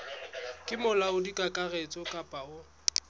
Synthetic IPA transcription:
kʼɪmʊlaʊdikʼakʼaret͡sʼɔkʼapʼaʊ

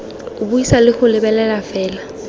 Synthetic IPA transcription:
ʊbuisalɪk͡xʊlɪbɛlɛlafɛːla

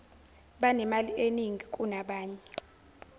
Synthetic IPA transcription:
ɓanɛmalieniŋʱikʼunaɓaːɲɛ

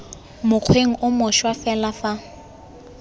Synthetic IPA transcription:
mʊq͡χʰweŋ̩ʔʊmʊʃwafɛlafa

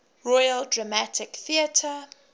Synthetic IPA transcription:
ɹɔjəldɹamatʰɪkθiətʰə

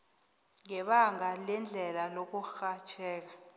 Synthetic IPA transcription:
ŋɛɓaŋɡalɛnd͡ɮʱɛlalok̬uxat͡ʃʰɛːk̬ḁ

